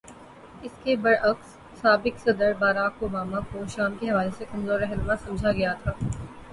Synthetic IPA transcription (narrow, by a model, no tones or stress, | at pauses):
ɪskebɐɽɐks | saːbɪksɐd̪əɾbaːɾaːkoːbaːmakoʃaːmkeɦɐʋaːlesekɐmzoːɾɛɦnmasɐmd͡ʒʱaɡɐjat̪ʰaː